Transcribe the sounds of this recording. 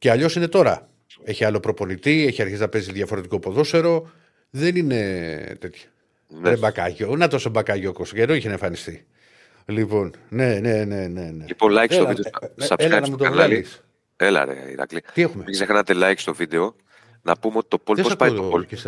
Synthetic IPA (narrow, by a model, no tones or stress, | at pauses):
ceɐʎo̞sine̞t̪o̞ɾɐ | eçiɐlo̞pɾo̞po̞nit̪ieçiɐɾçiznɐpe̞ziðʝɐfo̞ɾe̞t̪iko̞po̞ðo̞se̞ɾo̞ | ðe̞nine̞t̪e̞t̪çɐ̥ | neebɐkɐʝo̞nɐt̪osembɐkɐʝokosoceðoiçeneɱfɐnist̪i | lipo̞nne̞nene̞ne̞neliponlɐjksoid̪esɐeɐnɐmut̪onɐliis | elɐ̰nḛḭɾɐ̰klit̪ie̞xumeisexɐnɐt̪elɐjkst̪o̞vid̪eo̞ | nɐpumeot̪i̥t̪o̞polt̪epospɐiopolis